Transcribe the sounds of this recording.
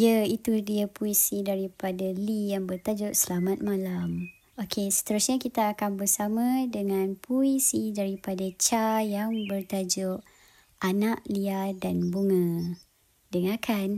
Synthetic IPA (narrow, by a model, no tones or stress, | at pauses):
jəit̪udiəpuisidaɾipadalijaŋbərt̪ad͡ʒʊʔsəlamat̪̚mãlam | okʰesə̥t̪əɾusɲakit̪aːkanbərsamãdəŋãnpʰuisidaɾipadat͡ʃajaŋbərt̪ad͡ʒʊʔ | ʔanaʔliadanbuŋə̃ | dəŋakʰan